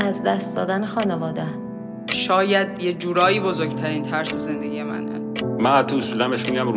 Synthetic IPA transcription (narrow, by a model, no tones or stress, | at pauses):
æzd̪æst̪̚d̪ɒ̰ːd̪ænexɒːnevɒːd̪e | ʃɒːjæd̪jed͡ʒuːɾɒːjiːbozoɾɡt̪ʰæɾint̪ʰæɾseze̞nd̪eɡijemæ̰nd̰ | mænhæt̪ʰːousuːlæmbeʃmiɡæm